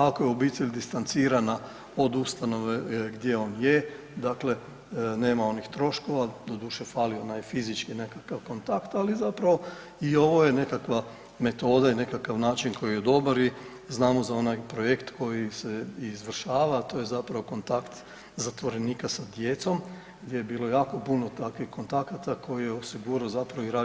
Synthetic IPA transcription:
ako̞jeo̞biːt̪eʎʲd̪ist̪ant̪siːɾana | o̞d̪ust̪ano̞ʋe̞ɡd̪je̞o̞ːnje | d̪akle̞ | ne̞ːmao̞nixt̪ɾo̞ʃko̞ʋad̪o̞d̪uːʃe̞faːlio̞najfizit͡ʃkine̞kakaʋko̞nt̪akt̪alizapɾaʋo̞ | io̞ʋo̞je̞ne̞kakʋa | me̞t̪o̞ːd̪aine̞kakaʋnaːt͡ʃinkʰo̞jijed̪o̞baɾi | znaːmozao̞najpɾo̞je̞kt̪ko̞jiseizʋr̩ʃaːʋat̪o̞ːjezapɾaʋo̞ko̞nt̪akt̪ | zat̪ʋo̞ɾe̞niːkasad̪je̞t̪so̞m | ɡd̪jejebiːlˠo̞jaːko̞puno̞t̪akʋixko̞nt̪akat̪akʰo̞jijeosiɡuɾaozapɾaʋoiɾaː

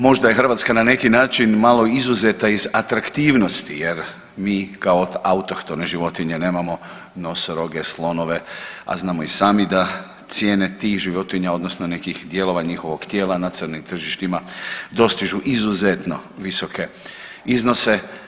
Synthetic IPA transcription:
mo̞ʒd̪aje̞xr̩ʋaːt̪skanane̞kinaːt͡ʃinmalˠo̞izuzet̪aizat̪ɾakt̪iːʋno̞st̪ijeɾ | miːkaoaut̪okt̪oneʒiʋo̞t̪iɲe̞ne̞ːmamo̞ | no̞sɾo̞ɡe̞slˠo̞no̞ʋe̞a̰znaːmo̞isaːmid̪a | t̪sje̞ːne̞t̪iːxʒiʋo̞t̪iɲao̞d̪nosnone̞kixd̪je̞lo̞ʋaɲixo̞ʋoɡt̪je̞ːlanat̪sərnimt̪r̩ʒiʃt̪imad̪o̞st̪iʒuʔizuzet̪no̞ʋiso̞kʰe̞ | izno̞se̞

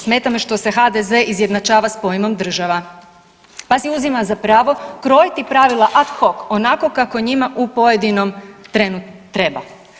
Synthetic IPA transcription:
sme̞t̪ameʃt̪o̞se̞xad̪eze̞ʔizje̞d̪nat͡ʃaːʋaspo̞jmo̞md̪r̩ʒaʋa | pasiuzimazapɾaːʋo̞kɾo̞jt̪ipɾaʋilˠaʔat̪xo̞ko̞nako̞kako̞ɲimaʔupo̞jed̪ino̞mt̪ɾenut̪ːɾeba̰

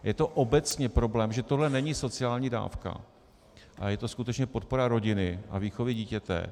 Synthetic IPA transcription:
jɛt̪o̞ʔo̞bɛt͡sɲɛpɾo̞blɛːmʒɛt̪o̞ɦlɛnɛɲɪso̞t͡sɪaːlɲiːda̰ːfka̰ | ʔajɛt̪o̞skut̪ɛt͡ʃɲɛpo̞t̪̚po̞ɾaɾo̞ɟɪnɪʔa̰viːxo̞vɪɟiːcɛt̪ɛ̰

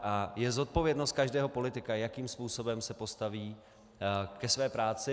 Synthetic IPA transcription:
ʔajɛzo̞t̪̚po̞vjɛdno̞st̪̚kaʒdɛːɦo̞po̞lɪt̪ɪkajakiːmspuːso̞bɛmsɛpo̞st̪aviː | kɛsvɛːpɾaːt͡sɪ

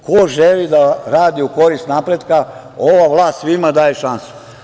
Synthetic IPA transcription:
koʒelid̪aɾaːd̪iuko̞ɾist̪napɾed̪ka | o̞ʋaʋlˠaːst̪sʋimad̪aːjeʃansu̥

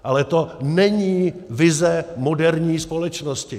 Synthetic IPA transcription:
ʔalɛt̪onɛɲiːvɪzɛmodɛɾɲiːspo̞lɛt͡ʃnoscɪ

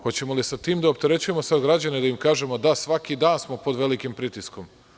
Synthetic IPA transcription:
xo̞t͡ɕe̞molisat̪iːmd̪aop̚t̪e̞ɾe̞t͡ɕuje̞mo̞saɡɾad͡ʑaned̪aimkaːʒe̞mo̞d̪asʋakid̪aːnsmo̞po̞d̪ʋe̞likimpɾit̪isko̞m

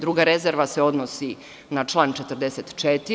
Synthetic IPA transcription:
d̪ɾuːɡaɾe̞zeɾʋaseo̞d̪nosi | nat͡ʃlˠaːnt͡ʃet̪əɾd̪eset̪t͡ʃet̪i

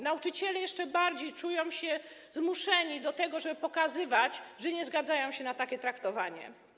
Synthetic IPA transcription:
naut͡ʂɘt͡ɕɛlɛjɛʂt͡ʂɛbaɾd͡ʑejt͡ʂujɔ̃w̃ɕɛ | zmuʂɛɲid̪ɔt̪ɛɡɔʐɛbɘpɔkazɘvat͡ɕʐɛɲɛzɡad̪zajɔ̃w̃ɕɛnat̪akʲɛt̪ɾakt̪ɔvaɲɛ̰

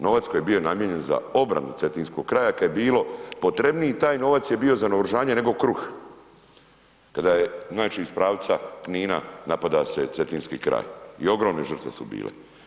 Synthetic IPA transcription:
no̞ʋat̪skojebio̞namjeɲe̞nza̰o̞bɾa̰nut̪se̞t̪iːnskoɡ̚kɾaːjakajebiːlo̞po̞t̪ɾe̞bnijit̪aːjno̞ʋat̪sjebio̞zanoʋɾʒaːɲene̞ɡo̞kɾux | kad̪ajeznaːt͡ʃiːspɾaːʋt̪sakniːna̰napad̪ase̞t̪e̞t̪iːnskikɾa̰ːjḭo̞ɡɾo̞ːmneʒər̩t̪ʋesubḭːlʔḛ

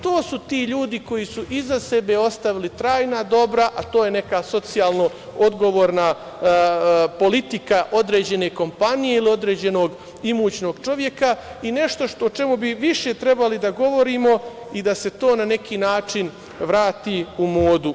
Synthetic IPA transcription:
t̪o̞ːsut̪iːʎuːd̪iko̞jisuʔizasebe̞o̞st̪aʋilit̪ɾaːjnad̪o̞bɾaʔat̪o̞ːjene̞kaso̞t̪sijaːlˠno̞ | od̪ɡo̞ʋoːɾna | po̞lit̪ikaʔo̞d̪ɾe̞ːd͡ʑe̞ne̞ko̞mpanije̞ilio̞d̪ɾe̞ːd͡ʑe̞no̞ɡ | imuːt͡ɕno̞ːɡt͡ʃo̞ʋje̞kaine̞ʃt̪o̞ʃt̪oːt͡ʃe̞mubiʋiʃe̞t̪ɾe̞balid̪aɡo̞ʋo̞ɾiːmo̞ | id̪ase̞t̪o̞ːnane̞kʰiːnaːt͡ʃin | ʋɾaːt̪iumoːd̪u

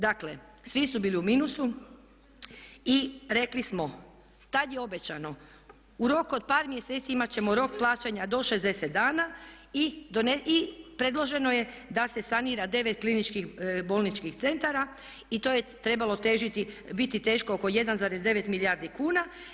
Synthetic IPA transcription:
d̪aklesʋisubiːliumiːnusu | iɾe̞klismo̞ | t̪ad̪jeo̞bet͡ɕano̞ | uɾo̞kod̪̚paːɾmjeseːt̪siimat͡ɕe̞mo̞ɾo̞k̚plˠaːt͡ɕaɲad̪o̞ʃe̞zd̪e̞set̪̚d̪aːnaid̪oneipɾe̞d̪lˠo̞ʒe̞noje̞ | d̪ase̞saniːɾad̪e̞ʋet̪̚klinit͡ʃkixbo̞lnit͡ʃkixt̪se̞nt̪aɾa | it̪o̞jet̪ɾe̞balˠo̞t̪e̞ːʒit̪ibit̪it̪e̞ːʃko̞oko̞je̞d̪anzaːɾezd̪e̞ʋe̞t̪miljaːɾd̪ikuːna

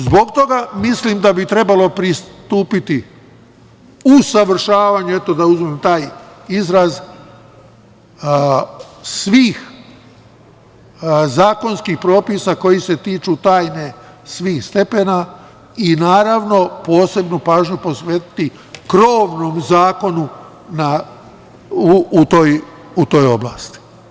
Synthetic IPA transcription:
zbo̞kt̪o̞ɡamislimd̪abit̪ɾe̞balo̞pɾist̪uːpit̪i | usaʋr̩ʃaːʋaɲue̞t̪o̞d̪auzmemt̪aːjizɾaz | sʋiːx | zaːko̞nskixpɾo̞ːpisako̞jise̞t̪iːt͡ʃut̪aːjne̞ | sʋiːxst̪epe̞na | inaːɾaʋno̞po̞ːse̞bnupaːʒɲupo̞sʋeːt̪i̥t̪i | kɾoːʋnoːmzaːko̞nu | na | uːt̪oːj | ut̪o̞ːjo̞̰bla̰ːst̪i̥

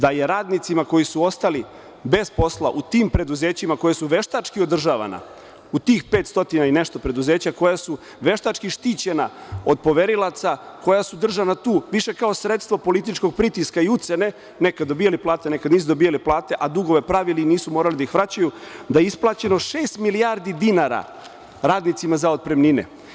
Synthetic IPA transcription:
d̪aje̞ɾaːd̪nit̪simako̞jisuo̞st̪ali | be̞spo̞slˠa̰ʔut̪iːmpɾe̞d̪uze̞ːt͡ɕimako̞jasuʋe̞ʃt̪at͡ʃkiod̪r̩ʒaʋa̰na̰ | ut̪iːxpeːt̪st̪o̞t̪inaine̞ʃt̪o̞pɾed̪uze̞ːt͡ɕako̞jasu | ʋe̞ʃt̪at͡ʃkiʃt̪iːt͡ɕe̞na̰o̞d̪̚po̞ʋe̞ɾilˠat̪sako̞jasud̪r̩ʒanat̪uːʋiʃe̞kao̞sɾe̞t̪st̪ʋopo̞lit̪it͡ʃko̞ɡ̚pɾit̪iskaiut̪se̞ne̞ | nekad̪d̪ːo̞biːjaliplˠaːt̪ene̞kad̪niːs̬ud̪o̞bijaliplˠaːt̪e̞ʔad̪uɡo̞ʋe̞pɾaʋiliniːsumo̞ːɾalid̪aixʋɾat͡ɕajud̪ajeisplˠat͡ɕe̞no̞ʃe̞ːst̪miliaːɾd̪id̪inaɾa̰ | ɾaːd̪nit̪simazaot̪̚pɾemninḛ

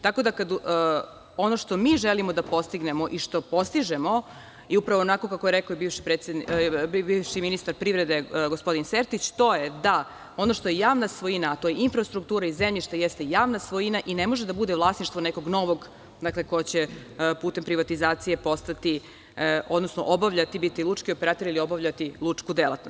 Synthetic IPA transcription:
t̪ako̞d̪akad̪ | o̞no̞ʃt̪o̞miːʒelimo̞d̪apo̞st̪iɡnemoʔiʃt̪o̞po̞st̪iʒemo̞ | iupɾaʋo̞onako̞kakojeɾɛkaoibiːvʃi̥pɾet̪sed̪bibiːvʃiminist̪aɾpɾiʋɾed̪e̞ɡo̞spo̞d̪inseɾt̪it͡ɕt̪o̞jed̪a | o̞noʃt̪ojejaːʋnasʋojinaːt̪o̞jeinfɾast̪ɾukt̪uːɾaizemʎiʃt̪ajest̪e̞jaːʋnasʋojinaʔinemo̞ʒed̪abud̪e̞vlˠasniʃt̪ʋoneko̞ɡno̞ʋoɡ | d̪akle̞ko̞jet͡ɕepuːt̪empɾiʋat̪izaːt̪sije̞po̞st̪at̪i | o̞d̪nosno̰ʔobaʋʎat̪ibit̪ilˠut͡ʂkiopeɾaːt̪oɾilio̞baʋʎat̪ilˠut͡ʂkud̪elˠa̰t̪nost̪

